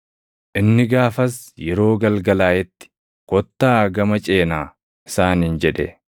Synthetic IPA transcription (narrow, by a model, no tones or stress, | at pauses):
ʔɪnːɪɡaːfɐsjɛɾo̞ːɡɐlɡɐlaːjɛt̪ːɪ̥ | kɔt̪ːaːɡɐmɐt͡ʃʼe̞ːnaː | ɪsaːniːnd͡ʒɛᶑɛ̰